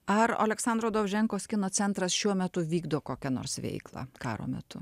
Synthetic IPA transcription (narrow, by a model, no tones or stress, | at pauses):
ɐɾo̰ːlʲɛksɑnd̪ɾoːd̪oːʒʲɛŋkoːskʲɪnoːt͡s̪sʲɛnt̪ɾɐsʃʲuɔmʲɛt̪ʊʋʲiːɡd̪oːkoːkʲɛno̰ːɾsʋʲɛ̰ɪklˠɑ̰kɑ̰ːɾo̰ːmʲɛ̰t̪ʊ